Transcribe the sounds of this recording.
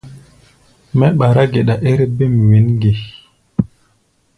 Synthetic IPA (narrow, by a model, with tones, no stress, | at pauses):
mɛ˦ɓa˨ɾa˦ɡe˨ɗa˨ʔe˦ɾe˦be˦mi˨we˨˦nɡe˨